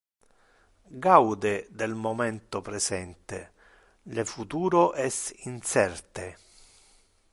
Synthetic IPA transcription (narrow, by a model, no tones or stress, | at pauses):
ɡawd̪ed̪elmomɛnt̪opɾesɛnt̪e | lefut̪uːɾoʔɛsinsɛrt̪e